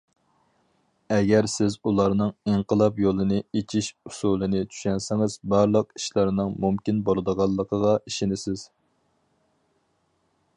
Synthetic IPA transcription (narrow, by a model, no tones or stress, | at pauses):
ɛɡʲɛɾsɪzulˠɑɾnɨŋiŋqəlˠɑpjolˠɨnɨet͡ʃʰiʃusulˠɨnɪt͡ʃʰy̥ʃɛnsɪŋɨz̥bɑɾlˠəqi̥ʃlˠɑɾnɨŋmumkʲinbolˠɨd̪əʁɑlˠːəqʰəʁɑiʃɪnɪsɪz̥